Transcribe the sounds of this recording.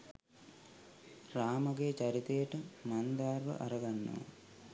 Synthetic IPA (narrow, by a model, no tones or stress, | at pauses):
raːmɐɡeːt͡ɕɐɾit̪eːʈɨmɐnd̪aːrʋɐ̰ʔɐɾɐɡɐnːṵʋ̰